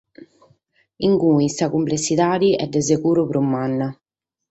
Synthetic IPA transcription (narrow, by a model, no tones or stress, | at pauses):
iŋkuisakumplesːit̪aːd̪iʔɛ̰d̪ːɛsekuːɾupɾumːanːa